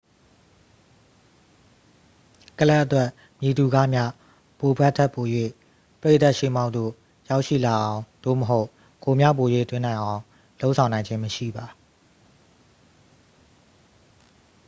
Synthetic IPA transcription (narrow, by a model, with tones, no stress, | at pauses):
kə˦˨la˦ʔət̪wɛ˦˨ʔ | mji˨du˨ɡa̰˦˨mja̰˦˨ | po˨bʰɛ˦ʔtʰɛ˦ʔpːo˨jwḛ˦˨ | pəɹe˦ʔt̪a˦ʔʃḛ˦˨mã˦ʊ̃t̪d̪o̰˦˨ | ja˦ʊʔʃḭ˦˨la˨ʔã˨ʊ̃d̥̪o̰˦˨məɦo˦ʊʔ | ko˨mja̰˦˨po˨jwḛ˦˨t̪wɪ̃˦nã˨ɪ̃ʔã˨ʊ̃ | lo˦ʔsʰã˨nã˨ɪ̃ɲd͡ʑɪ̃˦məʃḭ˦˨ba˨